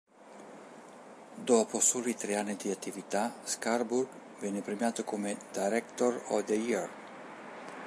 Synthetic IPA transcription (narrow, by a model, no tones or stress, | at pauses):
d̪oaposulit̪ɾejaned̪iat̪ːivit̪askarbuɾ | vɛnepɾemjat̪əkumed̪ajɾɛkt̪oɾɔd̪eiɾ